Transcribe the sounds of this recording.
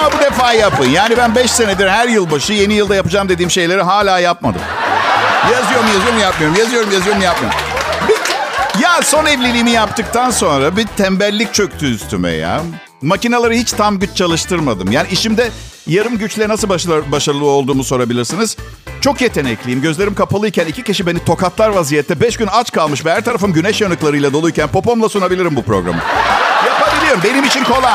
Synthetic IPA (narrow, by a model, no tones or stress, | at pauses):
amabud̪efaːjapʰɯjnjaːnibænbɛʃse̞ned̪iɾhæɾjɯlˠbaʃɯje̞nijɯlˠd̪ajapɯd͡ʒamd̪e̞d̪iːmʃe̞jlʲe̞ɾiɦaːlʲaːjapmad̪ɯ̰m | jazɯjo̞ɾumjazɯjoɾumjap̚mijo̞ɾumjazɯjo̞ɾumjazɯjo̞ɾumjap̚mjo̰ɾubijaso̞nɛvlʲilʲijːmijapt̪ʰɯkt̪ʰanso̞nɾabit̪ʰɛmbæɾlʲːic̚t͡ʃʰø̞ct̪ʰyːst̪ʰymɛ̰ja̰ | macinalˠaɾɯhit͡ʃt̪ʰamɟyt͡ʃt͡ʃʰalˠɯʃt̪ʰɯɾmad̪ɯmjaːniiʃimd̪ɛ | jaɾɯmɟyt͡ʃlʲɛnasɯlbaʃaɾɯlˠɯo̞lˠd̪uːmuso̞ɾabilʲiɾsinɯz̥ | t͡ʃʰo̞kje̞t̪ʰenɛclʲijimɟøzle̞ɾimkapʰalˠɯjcʰænicʰiciʃibe̞nit̪ʰo̞kat̪lˠaɾvazijɛt̪ʰːɛbɛʃɟynat͡ʃkalˠmɯʃvɛhæɾt̪ʰaɾafɯmɟynɛʃjanɯklˠaɾɯjlˠad̪o̞lˠujcʲænpo̞po̞mlˠasunabilʲiɾimbupɾo̞̰ɡɾa̰mɯ̰japabilʲijo̞ɾumbe̞nimit͡ʃʰinkʰo̞lˠa